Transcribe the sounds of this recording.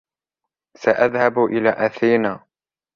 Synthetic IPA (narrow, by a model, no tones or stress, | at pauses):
saʔaðhabʔɪlaːʔaθiːnaː